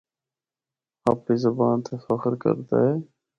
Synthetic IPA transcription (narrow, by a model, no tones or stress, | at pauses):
aːpːiːzəbaːnt̪ʰeːfəxɾkə̰ɾt̪a̰ːɦeː